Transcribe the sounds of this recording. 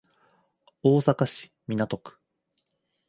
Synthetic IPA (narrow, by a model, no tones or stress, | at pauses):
o̞ːsakaɕi̥mʲinat̪o̞kɯ̥